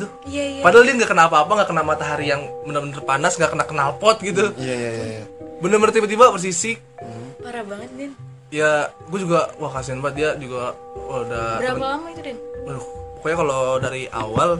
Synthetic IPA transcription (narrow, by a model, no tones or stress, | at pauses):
ɡit̪u | ijapadaaldiaŋɡakənalpaːpaŋɡaʔkənalmat̪aɦaɾijaŋbənərbənərpanasŋɡakənakənalpɔt̪̚ɡit̪̬ujajajjabənərmərt̪ibat̪̬ibabərs̬isi | paɾabaŋət̪̚dɛn | ja | ɡuad͡ʒuɡawahkas̬ianbat̪̚diad͡ʒuɡaodaɾapalamait̪udɛnlkojakalodaɾiʔa̰wal